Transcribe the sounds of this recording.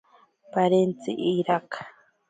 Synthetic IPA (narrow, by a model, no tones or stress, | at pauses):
paɾent͡sḭʔiɾakḁ